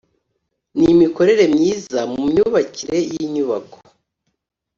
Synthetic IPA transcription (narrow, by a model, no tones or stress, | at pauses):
nimiko̞ɾe̞ɾe̞mɲiːzamumɲuβaciɾe̞jiɲuβakʰo̥